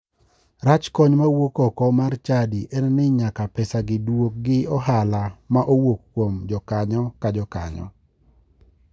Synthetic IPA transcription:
rat͡ʃkɔɲmawokɔkɔmart͡ʃadiʔɛnnɪɲakapɛsaɡɪdwok̚ɡɪɔɦalamaʔowokkːwomd͡ʒɔkaɲɔkad͡ʒɔka̰ɲɔ̰

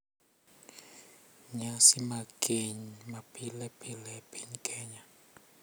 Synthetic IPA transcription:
ɲasimakʼeɲimapʰʼilɛpʰʼilɛpʰʼiɲkʰɛːɲa

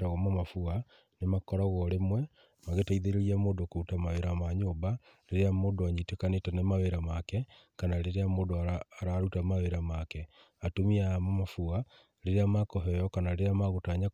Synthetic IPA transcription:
taɣɔmamafua | nemakɔɾaɣɔɾemwɛ | maɣetaiðeɾeɾiamoːndokoutamaweɾamaɲoba | leɾeamoːdoaɲitekanetɛnɛmaweɾamakɛ | kanaɾeɾeamoːndoaːɾaɾutamaweɾamakɛ | atomiamamafua | ɾeɾeamakɔɦɛjɔkanaɾeɾeamaɣotaːɲa

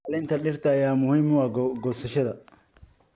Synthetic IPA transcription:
ɐlɪnt̪ʰɐɖɪrt̪ʰɐjaːmʊhiːmʊwɑːɡɔːsɐʃɐðɐ

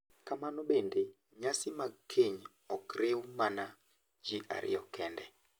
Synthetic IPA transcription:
kamanobende | ɲasɪmakʰeɲ | ɔkɾewmana | d͡ʒiʔa̰ɾʔɪ̰jɔkɛndɛ

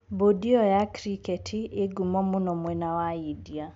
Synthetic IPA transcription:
bodiɔjakɾikɛtʰieɡumɔmonɔmwɛnawaidia

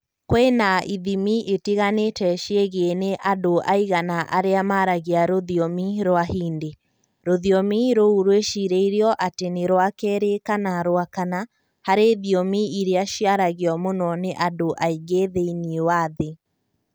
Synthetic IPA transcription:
kwenaʔiðimiʔetiɣanetɛʃieɣeneʔadoʔaiɣanaʔa̰ɾeamaɾaɣiaɾoðiɔmiɾoahiːnde | ɾoðiɔmiɾouɾweʃiɾeiɾiɔʔateneɾowakɛɾekanaɾoakana | haɾeðiɔmiiɾeaʃiaɾaɣeɔmonɔneʔadoʔaiɡeðeiniewaðe

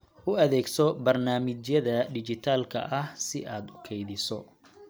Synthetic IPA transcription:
ʔʊɐðɛːɡsɔbɐrnaːmɪt͡ʃjɐðɐɖɪt͡ʃɪt̪ʰaːlkʰɐ̰ʔɐhsɪʔaːd̪ʊkʰɛjðɪsɔ

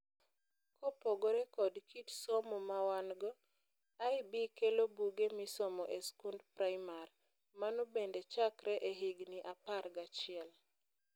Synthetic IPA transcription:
kʰɔpɔɡɔɾɛkɔdkʰitsɔmɔmawanɡɔ | ajbikelobuɡemisɔmɔʔeskundpɾajmar | manobendet͡ʃakɾɛʔeɦiɡniʔapaɾɡat͡ʃɪɛl

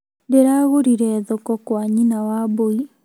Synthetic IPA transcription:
deɾaɣoɾiɾɛðokɔkwaɲinawaboi

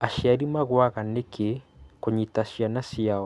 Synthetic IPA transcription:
aʃjaɾimaɣwaɣanekʰekoɲitaʃjanasiaɔ

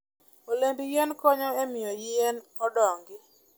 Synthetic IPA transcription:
olembijenkɔɲɔɛmɪɔjɪenɔdɔŋɡɪ

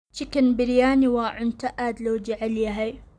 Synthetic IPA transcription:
t͡ʃikɐnbɪɾjaːniwaːʕʊnt̪aʔaːd̪lowd͡ʒiʕɪljaɦaj

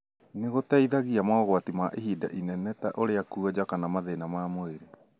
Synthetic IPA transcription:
neɣotaiðaɣiamaɔɣwatimaʔehiːda̰ʔinɛnɛtaʔoɾeakuɔd͡ʑakanamaðenamaːmoeɾe

